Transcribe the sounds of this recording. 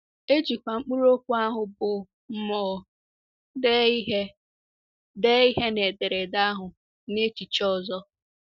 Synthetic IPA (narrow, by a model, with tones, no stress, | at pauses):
e˦t͡ʃi˨kʷa˨ŋ͡m̩˦k͡pu˦ɾo˦kʷu˦a˦ɦʊ˨bʊ˨ | m̩˦mɔː˨ | dɦe˦ | de˦i˦ɦe˦ne˨de˨ɾe˨da˦ɦʊ˨ | ne˦t͡ʃi˨t͡ʃɔ˦zɔ˦